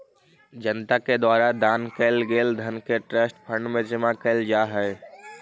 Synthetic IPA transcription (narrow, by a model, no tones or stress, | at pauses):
d͡ʒənt̪aked̪waːɾad̪aːnkəɪlɡeːld̪ʱənkeʈɾəsʈpʰə̃ɳɖmẽt͡ʃemãkəɪld͡ʒaːɦɛe